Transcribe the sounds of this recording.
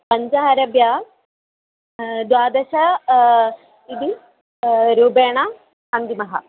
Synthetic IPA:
pɐɲd͡ʒɐɦɐɾɐbjaː | d̪waːd̪ɐʃɐ | id̪i | ɾuːbeːɳɐ | ɐnd̪imɐɦɐ̰

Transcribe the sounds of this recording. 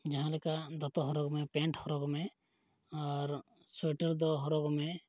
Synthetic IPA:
d͡ʒɐɦãlekad̪ɔt̪ɔɦɔɾoɡmẽpẽɳʈhɔɾoɡmẽ | ɔːɾ | seʈəɾd̪ɔɦɔɾoɡmẽ

